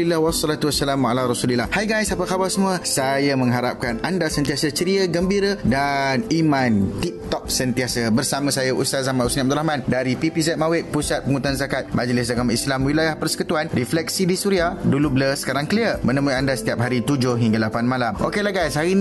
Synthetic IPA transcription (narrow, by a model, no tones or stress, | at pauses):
ilːahwɔsːɔlat̪uwasːalamwaalaɾɔsulilːahhajɡajsapəkabalsəmũəsajamə̃ŋɦaɾap̚kanandasənt̪iasət͡ʃəɾiəɡəmbiɾədanimãnt̪ip̚t̪ɔk̚sənt̪iasəbərsamãsajaʔust̪azamausniab̪̚ɾlahmãndaɾipipis̬ɛt̪̚mawɪt̪̚pusat̪̚pəŋut̪uanzakat̪̚mad͡ʒlɪs̬daɡamislamwilajahpərsə̥kut̪uanriflɛk̚sidisuɾiahdulubləsə̥kaɾaŋkliəmə̃nə̃muandasə̥t̪iap̚ɦaɾit̪ud͡ʒʊhɦiŋɡalapanmalamʔokelaɡajshain